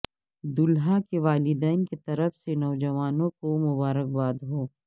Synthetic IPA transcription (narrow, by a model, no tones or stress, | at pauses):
d̪ʊlɦakeʋaːlɪd̪ɛːnket̪ɐɾəfsenɔːd͡ʒɐʋaːnõkomʊbaːɾək̚baːd̪ɦoː